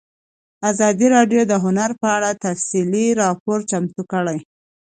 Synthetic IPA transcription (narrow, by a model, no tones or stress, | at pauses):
azɑd̪iɾɑɖjod̪əɦʊnaɾpəaɽat̪afsiliɾɑpoɾt͡ʃamt̪ukəɽaj